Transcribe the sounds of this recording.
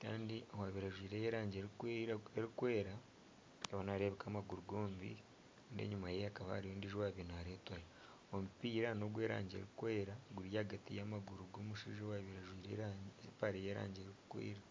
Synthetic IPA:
ka̰ːndiowaːβiɾaʒwiːɾejeɾaːɲɟeɾeɾikwe̞ːɾa | eβanaːɾeβekaːmaɡuɾuɡo̞ːmbḭ | ndḛɲumajeakaβa̰haɾijoːndiʒiwaːβinaːɾeːtwajo | omupiːɾano̞ɡwe̞ːɾa̰ːɲɟe̞̰ɾikwe̞ːɾaɡuɾjaːɡatijaːmaɡuɾuɡo̞ːmuʃiʒewaβiɾaʒwiːɾepaɾejeːɾa̰ːɲɟeːɾiku̥kwḭːɾa

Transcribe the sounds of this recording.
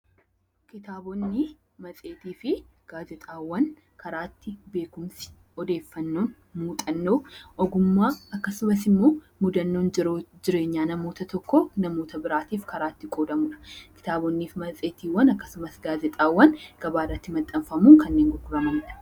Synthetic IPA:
kɪt̪aːbɔnːɪ | mɐsʼeːt̪iːfɪ | ɡ̥aːd͡ʒɛt̪ʼaːwːɐn | kɐɾaːt̪ːɪbe̞ːkʊmsɪ̥ | ɔd̪e̞ːfːɐnːo̞ːn | muːt̪ʼɐnːoːʔɔɡʊmːaːɐkːɐsʊmɐsɪmːoː | mʊd̪ɐnːoːnd͡ʒɪɾoːd͡ʒɪɾe̞ːɲːaːnɐmo̞ːt̪ɐt̪ɔkːonɐmo̞ːt̪ɐbɪɾaːt̪iːfkɐɾaːt̪ːɪkʼoːd̪ɐmʊᶑɐ̥kɪ̥t̪aːbɔnːiːfmɐt͡sʼe̞ːt̪iːwːɐnɐkːɐ̥sʊmɐsɡaːd͡ʒɛt̪ʼaːwːɐnɡ̥ɐbaːrɐt̪ːɪmɐt̪ʼːɐɱfɐmuːŋkɐnːeːŋɡʊkʊɾɐmɐmᶑ̪ɐ̥

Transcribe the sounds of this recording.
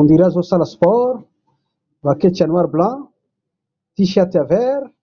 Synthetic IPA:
und̪iɾazosalaspɔɾ | vaket͡ʃanwaɾblã | t̪iʃjat̪avɛɾ

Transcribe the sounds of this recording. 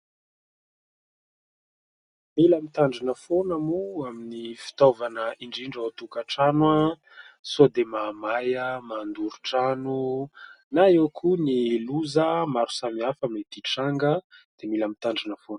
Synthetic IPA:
milamit̪aɳɖ͡ʐinəfonamuaminifi̥t̪ovanəʔiɳɖ͡ʐiɳɖ͡ʐat̪ukaʈ͡ʂanwa | suad̪emaːmajəmand̪uɾuʈ͡ʂanu | naewkʰuniluzəmaɾu̥samiafamet̪iʈ͡ʂaŋɡəd̪̥emilamit̪aɳɖ͡ʐinəfon

